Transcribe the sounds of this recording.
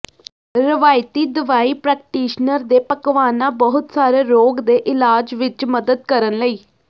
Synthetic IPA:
ɾɪʋaːjt̪iːd̪ʊʋaːiːpɾɛːk̚ʈiːʃnəɾd̪eːpəkʋaːnãːbəɦʊt̪saːɾeːɾoːɡd̪eːʔɪlaːd͡ʒʋɪt͡ʃməd̪əd̪̚kəɾənləiː

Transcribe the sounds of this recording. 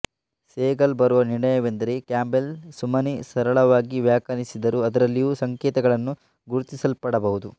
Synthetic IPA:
seːɡɐlbɐɾuʋɐniɳɐjɐʋend̪ɐɾekjaːmbelsumɐnisɐɾɐɭɐʋaːɡiʋjaːkɐnisid̪ɐɾuɐd̪ɐɾɐlːijuːsɐŋkɛːt̪ɐɡɐɭɐnːu | ɡuɾut̪isɐlpɐɽɐbɐɦud̪u

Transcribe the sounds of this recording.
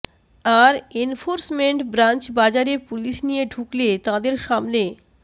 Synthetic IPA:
aɾenfoɾsmeɳʈbɾant͡ɕbad͡ʑaɾepuliʃnijeɖʱuklet̪ãd̪eɾʃamne

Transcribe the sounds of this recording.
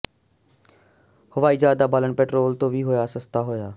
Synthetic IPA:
hʊʋaːiːd͡ʒaːd̪aːbaːləɳpɛːʈɾoːlt̪õːʋʱiːɦoːjaːsəst̪aːɦoːjaː

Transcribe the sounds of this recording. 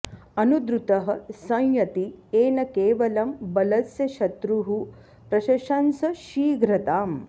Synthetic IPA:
ɐnud̪ɾut̪ɐɦɐ̆sɐ̃ŋjɐt̪ieːnɐkeːʋɐlɐmbɐlɐsjɐʃɐt̪ɾuɦu | pɾɐʃɐʃɐnsɐʃiːɡɾɐt̪aːm

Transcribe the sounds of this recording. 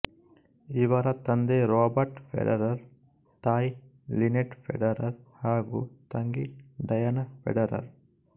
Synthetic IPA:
iʋɐɾɐt̪ɐnd̪eɾoːbɐɾʈpʰḛɖɐɾɐɾ | t̪aːj | lineʈpḛɖɐɾɐɾhaːɡṵt̪ɐŋɡiɖɐjɐnɐpḛɖɐɾɐ̰ɾ

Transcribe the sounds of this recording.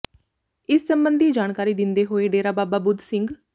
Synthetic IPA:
ɪsːəmbənd̪ʱiːd͡ʒaːɳkaːɾiːd̪ɪnd̪eːɦoːeɖeːɾaːbaːbaːbʊd̪sɪŋɡ

